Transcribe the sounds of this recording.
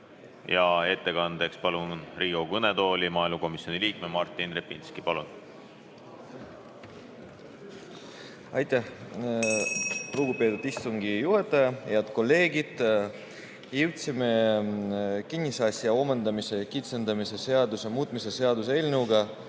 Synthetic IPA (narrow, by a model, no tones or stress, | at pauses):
jɑe̞t̪ːe̞kɑnd̪e̞kspɑluriːɡ̥okɤned̪o̞ːlʲimɑːilmuko̞misjo̞niliːk̚memɑrt̪ːˑinrepːinskipɑlun | ɑjt̪ːˑæh | ruɡ̥upe̞ːt̪ud̪ist̪uŋɡijuɦet̪ːˑɑjɑheɑd̪̥ko̞lːe̞ːɡid̪̥ | jiwt̪sime | kinʲːisɑsjɑo̞mend̪ɑmise̞kit̪se̞nd̪̥ɑmise̞se̞ɑd̪usemuːt̪ˑmise̞se̞ɑd̪us̬elʲnuɡɑ